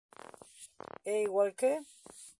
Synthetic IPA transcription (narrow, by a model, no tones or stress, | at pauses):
eiɣwalke